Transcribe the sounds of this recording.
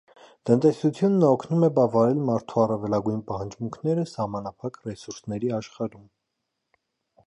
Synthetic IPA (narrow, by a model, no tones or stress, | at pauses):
t̪ənt̪ɛsut͡sʰjunːəɔkʰnumɛbɑvɑɾɛlmɑɾt̪ʰuɑrɑvɛlɑɡujnpɑhɑnd͡ʒmuŋkʰnɛɾəsɑhmɑnɑpʰɑkrɛsuɾsnɛɾiɑʃχɑɾum